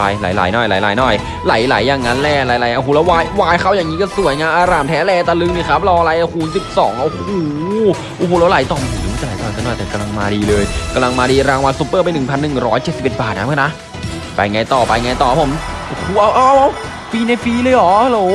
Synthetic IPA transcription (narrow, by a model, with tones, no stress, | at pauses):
a˧jla̰˨˦jla̰˨˩˦jnɔː˧˩jla̰˨˦jlaː˨˦jnɔː˧˩j | la˩˦jla˩˦jːaː˨˩ŋːa˦˥nlɛː˧˩la˨˩˦jla˨˩˦jʔa˧˩ɦuː˧˩lɛː˦˥waː˧jwaː˧jkʰa˥˩wjaː˨˩ŋːiː˦˥kɔ˥˩su˨˩˦əjŋaː˧nʔaː˧ɾaː˨˩mt̪ʰɛː˦˥lɛː˧t̪a˧lɯ˧˥ŋ̚ni˧˥˩kʰa˦˥p̚lɔː˧ŋla˧˦jʔa˧˩huː˨˩˦nsi˨˩p̚sɔː˩˦ŋʔo˧˩hoː˨˩˦ | ʔoː˧˩hoː˧˩lɛ˦˥la˨˩˦jt̪ɔː˨˩mː˧˩˨u˧˦˥a˧˩˨a˨˦jt̪ɔː˨˩k̪ʰa˧˩nɔː˧˥˩jt̪ɛː˨˩ka˧mla˧ŋmaː˧diː˧lɤː˧jka˧mla˧ŋmaː˧diː˧ɾaː˧ŋwa˧nsuː˦˥pːɤː˥˩pa˧jnɯ˨˩ŋpʰa˧nːɯ˨˩ŋɾɔː˦˥jt͡ɕe˨˩t̪̚si˨˩pʔe˨˩t̪̚baː˨˩t̪̚na˦˥mʰː˧˥˩na˦˥ | pa˧jŋa˧jt̪ɔː˨˩pa˧jŋa˧jt̪ɔː˨˩˦pʰo˨˩˦mʔo˧hːʔa˧˩wʔaː˧wʔa˧˩w | fiː˧na˧jfiː˧lɤː˧jʔɔː˨˦a˧loː˨˦